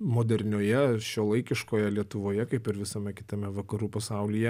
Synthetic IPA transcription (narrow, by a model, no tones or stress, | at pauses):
moːd̪ʲɛɾʲnʲoːjɛʃʲoːlˠɐɪkʲɪʃkoːjɛlʲiɛt̪ʊʋoːjɛkɐɪpɪɾʋʲɪsɐmʲɛkʲɪ̥t̪ɐmʲɛʋɐkɐɾuːpɐsɐˑʊlʲijɛ